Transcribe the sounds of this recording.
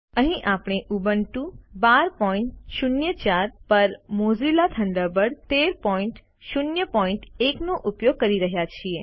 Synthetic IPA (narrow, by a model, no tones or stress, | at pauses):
əɦĩʔapɳ̃eʔubəɳʈũbaɾpɔĩɳʈʃʊnjət͡ʃaɾpəɾmozilat̪ʰəɳɖəbəɽt̪eɾpɔiɳʈ | ʃunjəpɔĩɳʈeknoʔupjoɡ̚kəɾiɾəɦjat͡ʃʰie